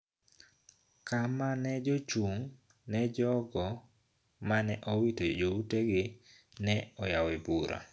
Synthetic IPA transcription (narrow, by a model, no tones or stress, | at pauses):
kamanɛd͡ʒot͡ʃuŋ | nɛd͡ʒɔɡɔ | manɛʔɔwitod͡ʒouteɡɪ | nɛɔjawebuɾʔa̰